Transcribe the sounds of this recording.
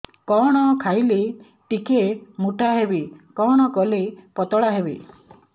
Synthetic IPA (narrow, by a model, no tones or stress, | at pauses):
kɔɽ̃ɔkʰajle | ʈikemuʈaɦebikɔɽ̃ɔkɔlepɔt̪ɔɽaɦebḭ